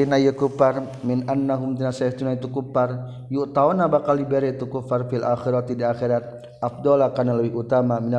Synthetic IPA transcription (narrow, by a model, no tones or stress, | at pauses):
inajakufar | mɪnʔanːaɦʊmt̪inasaht̪unait̪ukupar | juʔt̪awnabakaldibɛɾet̪ukufarfialʔaxiɾat̪idiaxiɾat̪̚ | ʔafd̪ɔlakarnaləwihut̪amamina